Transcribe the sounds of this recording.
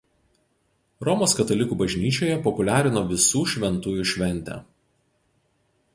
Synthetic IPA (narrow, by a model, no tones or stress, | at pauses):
ɾɔmoːskɐt̪ɐlʲɪkuːbɐʒʲnʲiːt͡ʃʲoːjɛpɔpʊlʲæːɾʲɪnɔːʋʲɪsuːʃʲʋʲɛnt̪uːjuˑʃʲʋʲɛnʲˑt̪ʲæ̰ː